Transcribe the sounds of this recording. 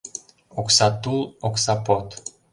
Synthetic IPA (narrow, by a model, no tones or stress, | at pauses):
oksat̪uloksapot̪